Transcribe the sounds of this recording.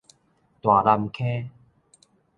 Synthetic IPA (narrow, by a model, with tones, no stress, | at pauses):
t̪wa˨˩la˧mkʰe˦